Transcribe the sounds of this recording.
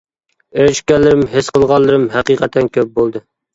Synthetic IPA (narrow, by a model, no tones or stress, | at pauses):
eɾɪʃkʲɛlːɪɾɪmɦɪsqʰəlˠʁɑlˠːɨɾɨmhæqiqʰɛt̪ʰːɛnkʲʰøp̚bolˠd̪ɨ